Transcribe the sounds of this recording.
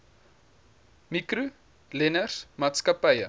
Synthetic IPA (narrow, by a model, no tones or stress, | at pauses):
mikru | lɛnərsmɑːtskɐpəjə